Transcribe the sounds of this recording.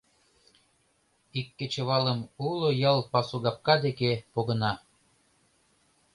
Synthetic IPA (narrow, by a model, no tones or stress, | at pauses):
ikːĕt͡ɕɤ̆βɑlə̆mulojɑlˠpɑsuɡɑp̚kɑd̪ekepoɣɤ̆nɑ